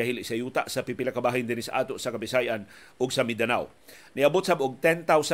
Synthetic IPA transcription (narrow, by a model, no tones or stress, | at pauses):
aɦilisajuːt̪aʔsɐpipɪlakabaːɦɪnd̪ɪnisaʔaːt̪oʔsɐkabisajʔan | ʔʊɡsɐmid̪anaw | niɐbʊt̪̚sabʔʊɡ̚t̪ɛnt̪awsa